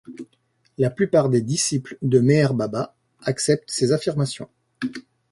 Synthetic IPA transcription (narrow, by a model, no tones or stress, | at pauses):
laplypaʁd̪ed̪isipld̪əmeɛʁbaba | aksɛp̚t̪sezafiʁmasjɔ̰̃